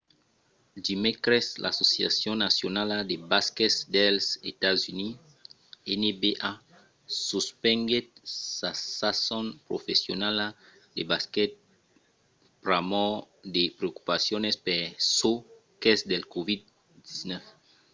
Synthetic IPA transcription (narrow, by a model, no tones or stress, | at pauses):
dimekɾɛslʔa̰sosja̰sjɔ̃nasjonaladebaskɛtsd̪elset̪azyni | ɛnebeʔa | suspɛ̃ŋɡesasasɔnpɾofesjonala | debaskɛt̪̚ | pɾamɔ | d̪epɾeoku̥pasjonespeɾso | kɛsd̪elkovid̪̚ | d̪isnɛf